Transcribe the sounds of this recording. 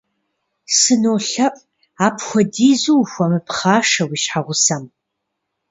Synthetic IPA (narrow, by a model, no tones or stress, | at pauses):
sɨnoːɬɐʔʼ | aːpʰxʷɔdiːzuxʷɔmɨpχaːʂɐwiːɕħaʁʷʊsɐm